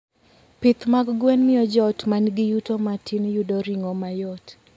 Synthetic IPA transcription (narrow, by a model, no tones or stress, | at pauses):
pɪt̪maɡɡwɛnmɪɔd͡ʒɔtmanɡɪjutomatinjudoɾiŋomajɔt